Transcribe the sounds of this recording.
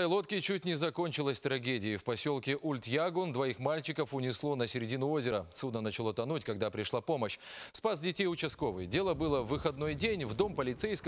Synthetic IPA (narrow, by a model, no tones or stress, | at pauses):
lˠo̞t̪kʲɪt͡ɕut̚ʲnʲɪzɐko̞nʲt͡ɕɪlˠəsʲt̪ɾɐɡʲedʲɪɪfpɐsʲo̞lˠkʲɪʔulʲt̪jaɡond̪vɐixmalʲt͡ɕɪkəfʊnʲɪslˠo̞nəsʲɪɾʲɪdʲinʊo̞zʲɪɾəsud̪nənət͡ɕɪlˠo̞t̪ɐnutʲkɐɡd̪apɾʲɪʂlˠapo̞məɕspasʲdʲɪtʲejʊt͡ɕɪsko̞vɨjdʲe̞lˠəbɨlˠəvːɨxɐd̪no̞jdʲenʲvd̪o̞mpəlʲɪt̪sejsk